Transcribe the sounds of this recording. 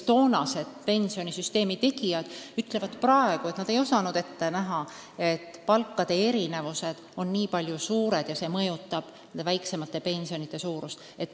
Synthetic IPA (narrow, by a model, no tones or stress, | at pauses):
t̪o̞ːnɑse̞d̪̥pe̞nʲsio̞nʲisyst̪e̞ːmit̪e̞ɡijɑd̪̥yt̪ːˑle̞vɑd̪̥prɑe̞ɡ̥uet̪nɑd̪̥e̞jo̞sɑnud̪e̞t̪ːe̞næɦɑ | e̞t̪ːpɑlkːɑd̪̥e̞eɾine̞vuse̞d̪̥o̞nːiːpɑlʲjusuːɾe̞d̪̥jɑse̞ːmɤjut̪ːˑɑb̥ | ed̪evæjkse̞mɑt̪ːˑe̞pe̞nʲsio̞nit̪ːˑesuːɾust̪e̞t̪ːˑ